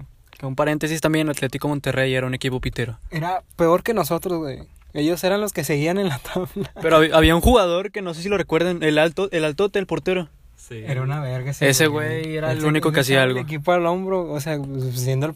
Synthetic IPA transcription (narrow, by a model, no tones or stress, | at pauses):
keumpaɾe̞nt̪e̞sist̪ambjenlat̪let̪iko̞mont̪e̞re̞je̞ɾaune̞kipo̞pit̪eɾo̞eɾape̞o̞ɾke̞no̞so̞t̪ɾozɣwḛj | eʝo̞seɾanlo̞ske̞se̞ɣiane̞nlat̪ʰaβlapeɾoβʔaβ̞iaunxuɣað̞o̞ɾke̞no̞s̬e̞s̬ilo̞re̞kwe̞ɾð̞enelalt̪oʔelalt̪ot̪elpo̞ɾt̪e̞ɾo | sieɾaunaβeɾɣasese̞ɣwejeɾalunikoke̞as̬iaalɣk̬ipoalombɾoːs̬easjend̪oe